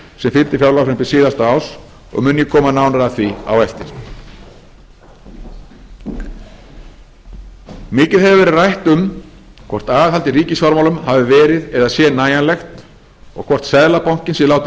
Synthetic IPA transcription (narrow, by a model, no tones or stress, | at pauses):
sɛmfɪlt̪ɪfjawlawfɛnpɪsiːðast̪aaːws | ɔ̰ɣmʏnjɪkʰɔːmanaːwnaɾaθvia̰wɛft̪ɪɾ̥ | mɪːcɪðɛvɪvɛːɾɪðrajht̪ʏm | kʰvɔr̥t̪aːðɪðhalt̪ɪriːcɪsvaɾmawlʏmhavɪvɛːɾɪðɛðasjɛnaːjanlɛxt̪ | ɔ̰ɣkʰvɔr̥t̪sɛðlapawŋ̥cɪnsɪlaːwt̪ɪ